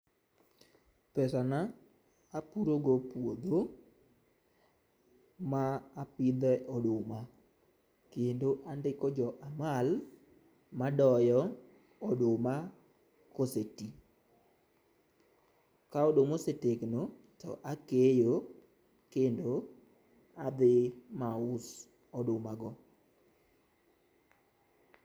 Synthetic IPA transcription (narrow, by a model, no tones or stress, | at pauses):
pɛsana | apuɾoɡopwod̪o | maːpɪd̪ɛʔɔdoma | kendoʔandɪkɔd͡ʒɔʔamal | madɔjɔ | ɔdoma | koseti | kaodomosetekno | tɔ̰ʔakejo | kendo | ad̪ɪmaʊs | ɔdomaɡɔ